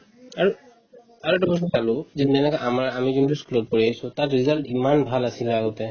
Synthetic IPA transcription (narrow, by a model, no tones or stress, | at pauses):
aɹu | aɹɔtɔbɔsɔsalʊzɛɛnɛkɔʔamaɹamizuntuskulɔt̚poɹiajsʊ̃tatɹizaltimanbʱalasilɛaɡɔtɛ